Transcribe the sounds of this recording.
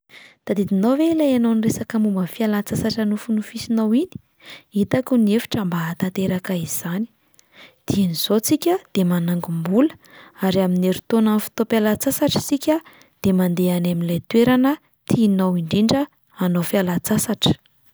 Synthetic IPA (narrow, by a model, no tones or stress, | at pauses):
d̪̥ad̪id̪inovelajanowniresakəmumbəfialat͡sasaʈ͡ʂənufunufisinawini̥ | it̪akuniefi̥ʈ͡ʂambaːt̪at̪eɾakaiz̥ani̥ | d̪̥ianiz̥ot͡sikʲəd̪̥emanaŋɡumbulə̥aɾiamineɾut̪onəfi̥t̪opalat͡sasaʈ͡ʂi̥sikʲə | d̪̥emand̪eanamilajt̪weɾanə | t̪ʰinawiɳɖ͡ʐiɳɖ͡ʐə | anofialat͡sasaʈ͡ʂə̥